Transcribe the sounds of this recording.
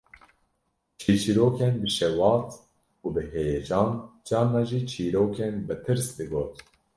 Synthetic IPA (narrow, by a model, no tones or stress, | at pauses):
t͡ʃʰiːt͡ʃʰiɾoːkʰenbɨʃɛwɑːt̪ | uːbɨheːjɛd͡ʒɑːnd͡ʒɑːnːɑːʒiːt͡ʃʰiːɾoːkʰeːnbɨt̪ʰɨɾsd̪ɨɡoːt̪